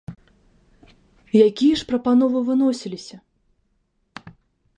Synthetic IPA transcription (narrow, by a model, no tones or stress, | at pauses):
jakʲijɐʂpɾɐpanɔvɨvɨnɔsʲilʲisʲɐ